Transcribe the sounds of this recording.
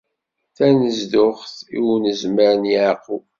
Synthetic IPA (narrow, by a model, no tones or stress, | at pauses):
θænəzd̪ʊχθiwnəzməɾənjəʕqːu